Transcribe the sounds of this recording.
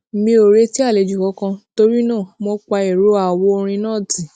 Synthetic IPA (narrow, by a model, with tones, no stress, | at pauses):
mĩ˧o˨ɾe˦ti˦a˦˨le˨˦d͡ʒu˨kɔ˨˦kã˧to˦ɾi˦nãː˦˨mɔ̃˧˦k͡pa˧e˨ɾo˨˦a˦˨wo˧o˧ɾ̃ĩ˧nãː˦˨ti˨˦